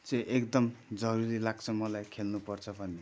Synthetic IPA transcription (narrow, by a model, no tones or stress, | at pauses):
t͡sʌ̃ʔekd̪ʌmd͡zʌɾuɾilaɡt͡sʰʌmʌlajkʰelnupʌrt͡sʰʌbʱʌne